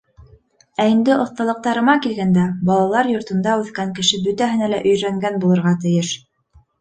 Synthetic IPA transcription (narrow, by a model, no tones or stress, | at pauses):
æind̪ɘʔŏθt̪ɑlˠɤ̆q̚t̪ɑɾɤ̆mɑkilɡænd̪æbɑlˠɑlˠɑɾjŏɾt̪ɤ̆nd̪ɑʉθkæŋkɘ̆ʃɘbɵt̪æɦɘ̆nælæʔɵ̆jɾæŋɡænbulˠɤ̆ɾʁɑt̪ɘ̆jɘʃ